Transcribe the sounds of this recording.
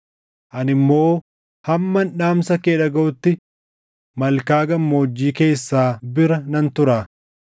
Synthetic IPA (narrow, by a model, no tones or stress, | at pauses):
ʔɐnɪmːo̞ː | hɐmːɐnᶑaːmsɐkeːᶑɐɡɐʔʊt̪ːɪ | mɐlkaːɡɐmːo̞ːd͡ʒːiːke̞ːsːaːbɪɾɐnɐnt̪ʊɾaː